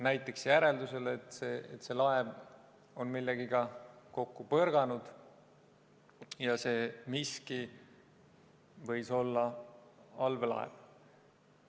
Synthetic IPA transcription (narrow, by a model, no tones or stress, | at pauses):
næjt̪ːˑe̞ksjæɾe̞ld̪use̞let̪seːet̪ːse̞lɑev | o̞nmilːeɡ̥iɡɑko̞kːupɤrɡ̥ɑnud̪̥ | jɑse̞ːmiski | vɤ̞jso̞lːɑ | ɑlvelɑ̰ḛv̥